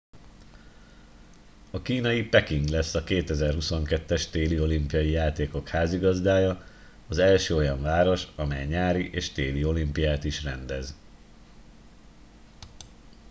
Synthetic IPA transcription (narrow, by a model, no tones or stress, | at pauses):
ɒkiːnɒjipɛkiŋɡlɛsːɒkeːt̪ɛzɛrɦuso̞ŋkɛt̪ːɛʃt̪eːlio̞limpijɒjijaːt̪eːko̞khaːziɡɒzd̪aːjɒː | zɛlʃøːo̞jɒɱvaːɾo̞ʃɒmɛjɲaːɾiʔeːʃt̪eːlio̞limpijaːt̪iʃrɛnd̪ɛz